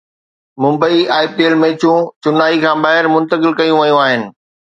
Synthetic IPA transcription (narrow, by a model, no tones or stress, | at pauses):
mʊ̃mbəiaːɪp̚ʈeːlmẽːt͡ɕũt͡ɕʊnaːikʰãːɓaːɦɪɾmʊ̃nt̪əkɪlkɐjũʋɐjũaːɦɪnɪ̆